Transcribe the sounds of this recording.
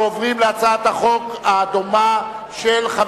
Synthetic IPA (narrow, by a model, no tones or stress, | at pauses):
ovʁimleat͡saaat̪haχo̞kaːd̪oma | ʃelχa